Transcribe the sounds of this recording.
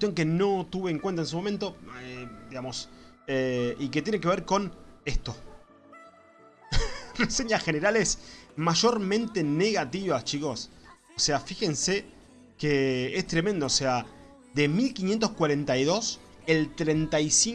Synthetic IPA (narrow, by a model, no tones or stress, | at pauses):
wet̪jo̞ŋke̞no̞t̪uβeːŋkwent̪aensumoment̪o̞ed̪iɣamo̞s | eiket̪jeneke̞β̞eɾko̞nest̪o̞ | rese̞ɲaxeneɾalesmaʒo̞ɾmẽ̞nt̪e̞neɣat̪iβat͡ʃiko̞s | oseafixe̞nse | keest̪ɾemend̪oːsea | ðe̞milkinje̞nt̪̬oskwaɾent̪ajðo̞s | elt̪ɾent̪ajsi